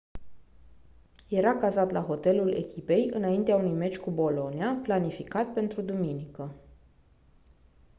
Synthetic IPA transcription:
je̞ɾakazat̪laɦo̞t̪e̞lule̞̰kʲipe̞jɨnaint̪eaunujme̞t͡ʃʲkubo̞lo̞niaplanifikat̪pe̞nt̪ɾud̪uminikə

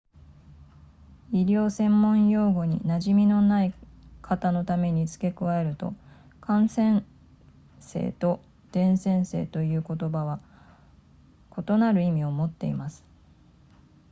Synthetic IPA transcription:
iɾʲo̞ːsẽ̞mːõ̞ɰ̃jo̞ːɡo̞ɲ̟ḭnaʑimʲino̞naikʰat̪ano̞t̪ame̞ɲ̟it͡sɨ̥ke̞kɯ̟βae̞ɾɯ̟t̪o̞̰ | kʰãɰ̃sẽ̞ɰ | se̞̰ːt̪o̞ | d̪̥ẽ̞ɰ̃sẽ̞ɰ̃seːt̪o̞jɯ̟ːko̞t̪o̞baβ̞a | kʰo̞t̪o̞naɾɯ̟imʲio̞mo̞t̪ːe̞ḭmasɨ̥

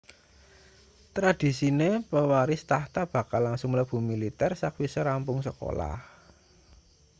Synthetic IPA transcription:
t̪ɾad̪̥i̤sinepəwaɾɪst̪aht̪ab̥a̤kalːaŋsʊŋləb̥ṳmilit̪ɛrsak̚wisəɾampʊŋsəko̰la̰h

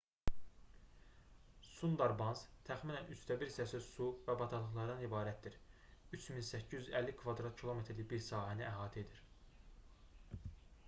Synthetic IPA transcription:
sund̪ɑɾbɑnzt̪ʰæxminænyst̪ʰæbiɾsæsysuvæbɑt̪ʰɑlˠɯχlˠɑɾd̪ɑnibɑːɾæt̪̚d̪iɾ | yt͡ʃʰminsæcʰːijzyzælːikʰvɑd̪ɾɑt̪̚cʰilˠo̞met̪ɾlibiɾsɑːhæniæɦɑːt̪ʰɛed̪iɾ

